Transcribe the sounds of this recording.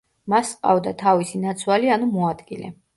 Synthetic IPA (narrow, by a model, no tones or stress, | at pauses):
masqʼa̰vd̪at̪ʰavisinat̪sʰwalianumɔad̪ɡilɛ̰